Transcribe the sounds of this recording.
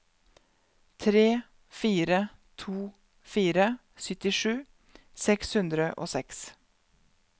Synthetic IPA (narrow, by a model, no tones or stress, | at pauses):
t̪ʰɾeː | fiːɾə | t̪ʰuː | fiːɾə | sʏt̪ɪʂʉː | sɛkshʉnd̪ɾəʔo̰ːsɛks